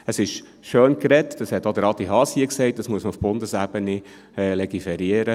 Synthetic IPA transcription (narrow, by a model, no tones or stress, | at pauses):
əsɪʃ | ʃøːnkɾɛtd̥ɑshɛtːod̪əɾɑt̪iɦɑːsiəksɛɪt̚d̥ɑsmuəsməufb̥ʊndəsæb̥ənɪ | lɛɡifɛɾiəɾə